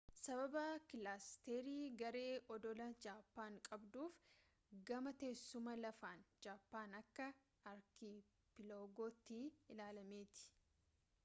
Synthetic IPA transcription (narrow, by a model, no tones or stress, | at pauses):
sɐβɐbaːkɪlaːst̪eːɾiːɡɐɾe̞ːʔɔd̪ɔlɐd͡ʒaːpːaːŋkʼɐbd̪uːf | ɡɐmɐt̪e̞ːsːʊmɐlɐfaːnd͡ʒaːpːaːnɐkːɐ | ɐɾki | pɪloːɡoːt̪ːiːɪlaːlɐme̞ːt̪ɪ̥